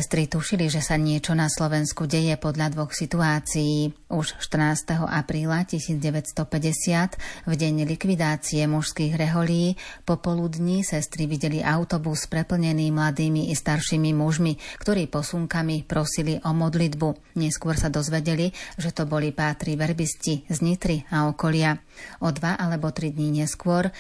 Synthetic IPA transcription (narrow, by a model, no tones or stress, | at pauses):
ɛst̪ɾit̪uʃiliʒɛsaɲɪɛt͡ʃɔnaslɔʋɛnskuɟɛjɛpɔd̪ʎad̪ʋɔxsit̪uaːt͡sijiːuʃʃt̪r̩naːst̪ɛɦɔ̰ʔapɾiːlacisiːd͡zɟɛʋɛtst̪ɔpɛɟɛsɪat̪vɟɛɲlikʋid̪aːt͡siɛmuʃskiːɣɾɛɦɔliiːpɔpɔlud̪ɲisɛst̪ɾiʋiɟɛliʔaʊt̪ɔbuspɾɛpl̩ɲɛniːmlad̪iːmiʔist̪aɾʃiːmimuʒmikt̪ɔɾiːpɔsuŋkamipɾɔsiliʔɔmɔd̪lid̪bu | ɲɛskʊɔɾsad̪ɔzʋɛɟɛliʒɛt̪ɔbɔlipaːt̪ɾiʋɛɾbiscizɲit̪ɾiaɔkɔlɪa | ɔd̪ʋaʔalɛbɔt̪ɾid̪ɲiɲɛskʊɔɾ